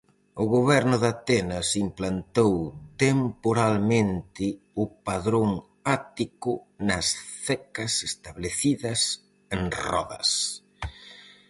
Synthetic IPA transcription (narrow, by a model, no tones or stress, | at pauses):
ʊɣoβɛɾnʊðat̪ɛnɐsimplant̪owt̪empoɾalmẽnt̪ɪ | ʊpaðɾoŋ | at̪ikʊ | nɐsθɛkɐsest̪aβleθiðɐs | eŋrɔ̰ðɐ̰s